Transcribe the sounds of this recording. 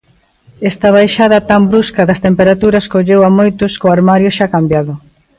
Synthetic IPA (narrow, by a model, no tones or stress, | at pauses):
ɛst̪ɐβ̞ajʃaðɐt̪ambɾuskɐðɐst̪empeɾat̪uɾɐskoʎewamojt̪ʊskoaɾmaɾjʊʃakambjaðʊ